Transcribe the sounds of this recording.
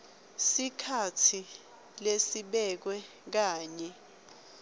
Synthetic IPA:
sikʰatʰi | lesiɓɛk̬wɛ | k̬aːɲɛ

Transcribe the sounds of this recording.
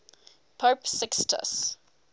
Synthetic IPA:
pʰoːpsɪkstʰə̰s

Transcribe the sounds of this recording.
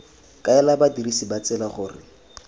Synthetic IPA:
kʼaɛlabadirisibat͡sɛlaχʊːrɪ̰

